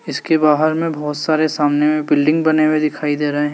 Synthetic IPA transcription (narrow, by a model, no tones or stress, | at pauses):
ɪskebaːɦəɾmẽbɔːt̪saːɾesaːmnemẽbɪlɖɪ̃ŋɡbɐnewed̪ɪkʰaːid̪eːɾɐɦeɦɛ̃